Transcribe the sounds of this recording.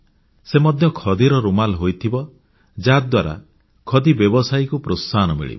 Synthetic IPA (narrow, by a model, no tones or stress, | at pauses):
semɔd̪ʱjɔkʰɔd̪iɾɔɾumalɦojt̪ʰibɔ | d͡ʒad̪waɾa̰ | kʰɔd̪ibjɔbɔsajkupɾosanɔmḭɭḭb